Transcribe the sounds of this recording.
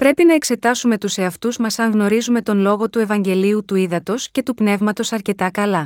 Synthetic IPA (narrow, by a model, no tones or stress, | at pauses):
pɾe̞pinɐe̞kse̞t̪ɐsume̞t̪use̞ɐft̪uzmɐsɐŋɣno̞ɾizume̞t̪o̞nlo̞ɣo̞t̪ue̞vɐɲɟe̞liut̪uiðɐt̪o̞sce̞t̪upne̞vmɐt̪o̞sɐɾce̞t̪ɐkɐlɐ